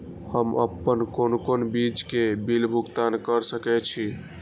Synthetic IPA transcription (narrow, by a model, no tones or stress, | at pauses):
həmə̰pːənkonkonbid͡ʒkebilbʱuɡt̪ankəɾsəkɛt͡ʃʰi